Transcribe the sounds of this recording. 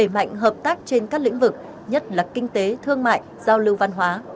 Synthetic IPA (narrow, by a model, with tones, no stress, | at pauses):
e˧˩ma̰˧˨jŋ̟ɦəː˨˩p̚t̪aː˦˥k̚t͡ɕe˧nkaː˦˥k̚lḭ˧˥ŋ̟vɨ˨˩k̚ | ɲə˦˥t̚laː˨˩kï˧ŋ̟t̪e˨˦t̪ʰɨ˧əŋma̰ː˧˨j | zaː˧wlɨ˧wva˧nɦwaː˨˦